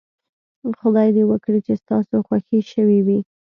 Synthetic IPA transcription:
xʊd̪ɑjd̪ewəkɽit͡ʃest̪ɑsoxwaxiʃəwiwi

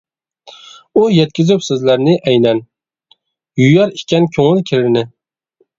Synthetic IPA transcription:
ujɛt̪̚kʲɪzɪpsɪzlæɾnɪʔɛjnɛn | jujɑɾikʲʰːɛnkʲʰoŋɪlkʲʰɪɾɪɾnɪ

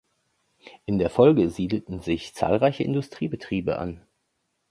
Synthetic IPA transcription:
ʔɪndeːɐfɔlɡəziːdl̩tn̩zɪçt͡sa̰ːlʁaɪçəʔɪ̰ndʊstʁ̥iːbətʁ̥iːbə̰ʔa̰n

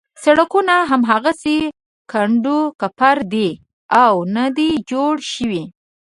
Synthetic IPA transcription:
saɽakunaɦamɦaɣasi | kaɳɖukapaɾd̪i | awnad̪id͡ʒoɽʃəwi

